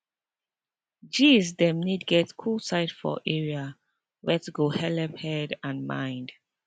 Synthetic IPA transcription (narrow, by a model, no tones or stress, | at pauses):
d͡ʒisdɛ̃mnidɡɛtkʰulsaɪtfɔ̰ʔɛɹia | wɛtɡohɛlɛphɛdãnmã̰ɪ̃nd